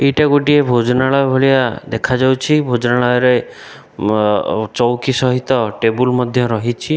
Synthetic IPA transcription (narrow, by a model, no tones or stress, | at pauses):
eʈaɡoʈiebʱod͡ʒɔnaɭɔjbʱɔɭijad̪ekʰad͡ʒawt͡ʃʰibʱod͡ʒɔnaɭɔjɔɾe | t͡ʃɔwkisɔɦit̪ɔʈebulmɔd̪ʱjɔɾɔɦit͡ʃʰi